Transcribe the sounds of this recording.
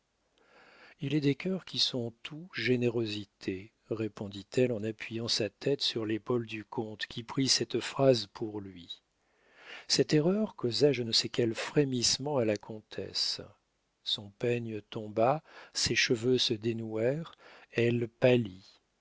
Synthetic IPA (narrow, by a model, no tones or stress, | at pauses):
ilɛd̪ekʲœʁkʲʰisɔ̃t̪ʰuʒeneʁozit̪ʰe | ʁepɔ̃d̪it̪ʰɛlɑ̃napʰɥijɑ̃sat̪ʰɛt̪syʁlepold̪ykʰɔ̃t̪kʲipχisɛt̪fχazpʰuʁlɥi | sɛt̪eʁœʁkozaʒənəsɛkʲɛlfχemismɑ̃alakʰɔ̃t̪ʰɛ̰s | sɔ̃pɛɲət̪ɔ̃baseʃəvøsəd̪enuɛʁɛlpali